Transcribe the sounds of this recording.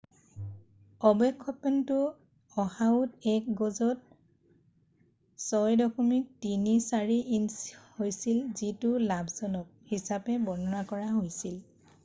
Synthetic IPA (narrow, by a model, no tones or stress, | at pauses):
ɔbɔkʰːɔpɛntʊ | ɔhaʊtɛk̚ɡɔzɔt̚ | sɔjdɔkʰɔmik̚tinisaɹiʔinshojsilzitʊlabʱzɔnɔk̚hisapɛbɔnɔɹakɔɹaɦojsil